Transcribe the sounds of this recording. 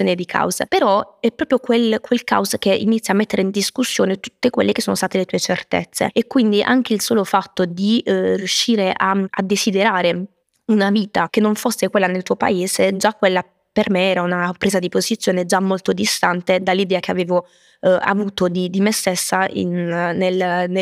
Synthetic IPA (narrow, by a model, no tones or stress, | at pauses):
joːned̪ikʰa̰wzapeɾɔɛpːɾɔːpɾjokwelkwelka̰wzk̟eʔinit̪sːjamːet̪ːeɾeind̪iskusːjoːnet̪u̥t̪ːekwḛlːekesoːnost̪aːt̪elet̪uːet͡ʃert̪ḛt̪sːḛekːwind̪iʔa̰ŋk̟eilsoːlofat̪ːod̪irjuʃːiːɾeʔaa̰d̪ːesid̪eɾaːɾe | unaviːt̪ak̟enːoɱfosːekwelːanelt̪uːopa̰eːsed͡ʒakːwelːa | permeɛːɾaunapɾeːzad̪ipozit̪sjoːned͡ʒamːolt̪od̪ist̪ant̪ed̪alːid̪ɛːak̟eaveːvo | a̰vuːt̪od̪id̪imest̪esːaḭnːeln